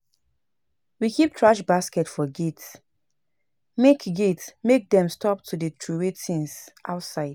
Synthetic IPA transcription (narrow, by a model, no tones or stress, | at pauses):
wikʰip̚tʰɹaʃbaskɛtfɔɡits | mekɡitsmek̚dɛ̃mstɔp̚tʰudətʰɹuwetʰĩnsʔa̰ʊtsaɪd̥